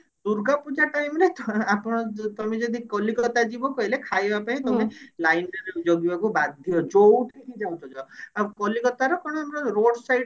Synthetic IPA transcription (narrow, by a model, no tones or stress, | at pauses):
d̪uɾɡapud͡ʒaʈajmɾeapɔɽ̃ɔt̪ɔmed͡ʒɔd̪ʱikɔlikɔt̪ad͡ʒibɔkɔɦilekʰajbapaĩt̪ɔmelajnɖɔɾd͡ʒoɡibakubad̪ʱjɔd͡ʒowʈʰkikʰid͡ʒaw̃t͡ʃʰɔ̃d͡ʒʰɔakɔlikɔt̪aɾɔkɔɽ̃ɔɔmɔɾɔɾoɽsajɖ